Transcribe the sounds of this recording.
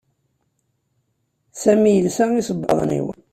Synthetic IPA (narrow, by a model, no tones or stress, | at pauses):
sæmijəlsæisəbːɑ̰ðˤnḭwə̰n